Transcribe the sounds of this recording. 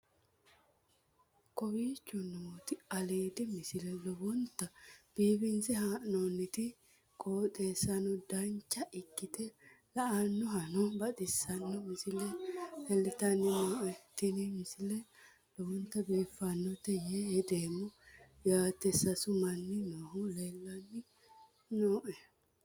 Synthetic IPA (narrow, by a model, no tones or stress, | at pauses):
kɔbiːt͡ʃːɔnoːt̪ɪɐleːd̪ɪmɪsɪlɛlɔbɔnt̪ːɐb̥iːbɪnsɛɦanonːɪt̪ɪ | kʼoːt̪ʼeːsɐnɔd̪ɐnt͡ʃːɐʔɪkːɪt̪ɛ | lɐʔanːɔɦɐnɔbɐt̪ʼɪsːɐnːɔmɪsɪlɛhɛlːɪt̪ɐnːɪnoːʔɛt̪ɪnɪmɪsɪlɛ | lɔwɔnt̪ːɐbiːfːɐnːɔt̪ɛjeɛd̪eːmːɔ | jaːt̪ːɛsɐsʊmɐnːɪnoːhʊleːlːɐnːɪ | noːʔɛ